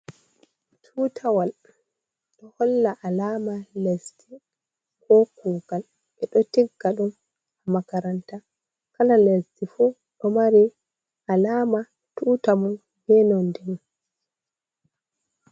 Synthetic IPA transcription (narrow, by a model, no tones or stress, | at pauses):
tʰuːtʰawal | ɗɔhɔlːaʔalaːmalesti | kɔkuːɡal | ɛɗɔtiɡːaɗum | amakaɾanta | kalalestifu | ɗɔmaɾi | alaːma | tuːtamun | bɛnɔndɛn